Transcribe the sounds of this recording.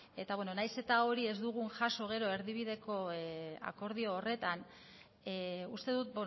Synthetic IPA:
e̞t̪aβweno̞najse̞t̪ao̞ɾie̞zd̪uɣ̞unʝaso̞ɣ̞e̞ɾo̞e̞ɾðiβ̞iðe̞ko̞a̰ko̞ɾðio̞ːre̞t̪an | ust̪e̞ðut̪̚b

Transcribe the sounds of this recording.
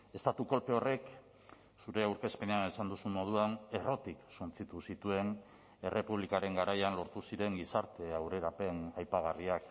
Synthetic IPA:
e̞st̪at̪uko̞lpe̞o̞re̞k | suɾe̞awɾke̞spe̞neanesand̪usummo̞ð̞uane̞ro̞t̪iksunt͡sit̪usit̪ue̞n | e̞re̞puβ̞likaɾe̞ŋɡaɾajanlo̞ɾt̪usiɾe̞ŋɡisaɾt̪e̞awɾe̞ɾape̞najpaɣ̞ariak

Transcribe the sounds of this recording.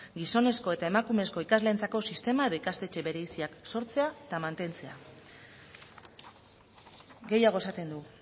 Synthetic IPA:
ɡiso̞ne̞sko̞e̞t̪ae̞makume̞sko̞ikazle̞ːnt͡sako̞sist̪e̞mae̞ðo̞ikast̪e̞t͡ʃe̞βe̞ɾe̞isiakso̞ɾt͡se̞at̪amant̪e̞nt͡se̞a | ɡe̞jaɣ̞o̞e̞sat̪e̞nd̪u

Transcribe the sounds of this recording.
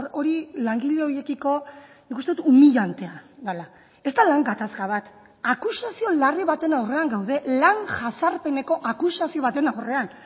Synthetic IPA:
o̞ɾilaŋɡileo̞je̞kiko̞ | nikust̪e̞ut̪umiʎant̪e̞aðala | e̞st̪alaŋɡat̪askaβ̞at̪ | akusasio̞lariβ̞at̪e̞nawre̞aŋɡawðe̞laŋʝasaɾpe̞ne̞ko̞ʔakusasio̞β̞at̪e̞nawre̞an

